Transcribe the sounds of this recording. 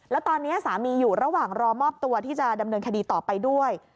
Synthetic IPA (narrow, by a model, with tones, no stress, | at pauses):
lɛ˦˥wt̪ɔː˧nːi˦˥ɐsaː˩˦miː˧juː˨˩ɾa˧waː˨˩ŋɾɔː˧mɔː˥˩p̚t̪u˧ɐt̪ʰiː˥˩t͡ɕa˨˩da˧mnɤː˧nkʰa˧diː˧t̪ɔː˨˩pa˧jdu˥˩əj